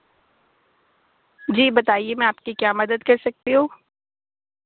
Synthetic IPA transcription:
d͡ʒiːbɐt̪aːiemɛ̃aːpkikjaːmɐd̪əd̪kɐɾsɐk̚t̪iɦũː

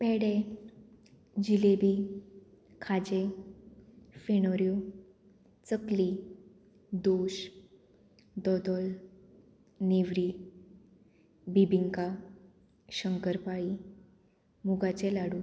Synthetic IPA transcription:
pɛɽe | d͡ʑilebi | kʰad͡ʑe | feñɔɾju | t͡səkli | d̪oɕ | d̪ɔd̪ɔl | neʋɾi | bibiŋka | ɕəŋkəɾpaɭi | muɡat͡ɕelaɽu

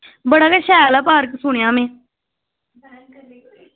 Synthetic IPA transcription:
bəɽaːkaʃaːjlaːpaːɾksʊːɳɪjãːmẽː

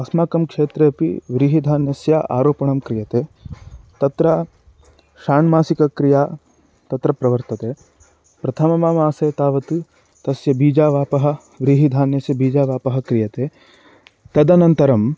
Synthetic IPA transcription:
ɐsmaːkɐmkʂeːt̪ɾeːɐpḭʋɾiɦid̪ʱaːnjɐsjɐ̰ʔa̰ːɾoːpɐɳɐmkɾijɐt̪eːt̪ɐt̪ɾɐ | ʃaːɳmaːsikɐkɾijaː | t̪ɐt̪ɾɐpɾɐʋɐɾt̪ɐt̪eː | pɾɐt̪ʰɐmɐmɐmaːseːt̪aːʋɐt̪ɨ | t̪ɐsjɐbiːd͡ʒaːʋaːpɐɦɐ̆ | ʋɾiɦid̪ʱaːnjɐsjɐbiːd͡ʒaːʋaːpɐɦɐkɾijɐt̪eː | t̪ɐd̪ɐnɐnt̪ɐɾɐm

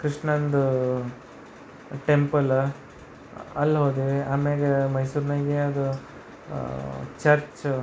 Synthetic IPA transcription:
kɾiʂɳɐnd̪ | ʈempɐl | ɐlːɦoːd̪eaːmeːɡemɐjsuːɾnaːɡeɐd̪u | t͡ʃɐɾt͡ʃ

